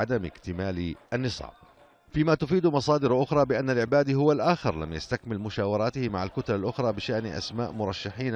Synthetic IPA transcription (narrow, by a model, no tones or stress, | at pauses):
ad̪amɪkt̪ɪmaːlʔanːɨsˤɑ̰ːb | fiːmat̪ʊfiːd̪mɑsˤɑːd̪ɪɾʔʊxɾˤɑːbɪʔanːalʕɪbaːd̪ihʊwːalʔaːxɪɾla̰mjast̪akmɪlmʊʃaːwɑɾˤɑːt̪ɪhɪmaʕalkʊt̪alalʔʊxɾˤɑːbɪʃaʔnʔa̰sma̰ːʔmʊɾˤɑʃːaħiːn